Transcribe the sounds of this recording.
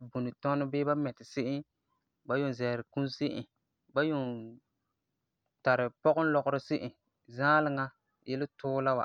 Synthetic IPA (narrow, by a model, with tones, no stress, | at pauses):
bu˨nɪ˨tɔ˦nʊ˦bɪː˦ba˦mɛ˨tɪ˨sɪ˦ʔɪ˦ | ba˦jo˦˨n˨zɛ˨ɾɪ˨ku˦nsɪ˦ʔɪ̰˨ | ba˦jo˨n | ta˨ɾɪ˨pɔ˦ɣʊ˦n˦lɔ˨ɣʊ˦ɾɪ˦sɪ˦ʔɪ˨ | zãː˦lɪ˨ŋa˦ | jʔɛ˦lɪ˦tʰʊː˦la˦wa̰˨